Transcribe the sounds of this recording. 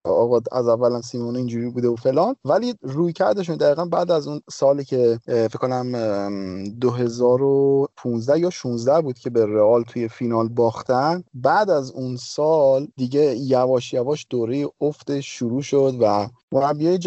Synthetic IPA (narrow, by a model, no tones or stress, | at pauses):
ɒːɣɒæ̰zævːælæmsiːmoːneiːnd͡ʒuːɾibuːd̪eofe̞lɒːnvæliruːjcʰæɾd̪eʃ̬und̪æɣiːɣænbæːd̪æzunsɒːliːcʰefekʰːonæm | d̪oɦe̞zɒːɾopʰunzd̪æhjɒːʃunzd̪æhbuːd̪̚cʰe̞beɾeɒːlt̪ʰuːje̞finɒːlbɒːxt̪ænd̪bæʔd̪æzunsɒːld̪iɟe̞jævɒːʃjævɒːʃd̪̥oːɾe̞jeoft̪eʃːuɾuːʃod̪væ | moɾæbːiejed͡ʒ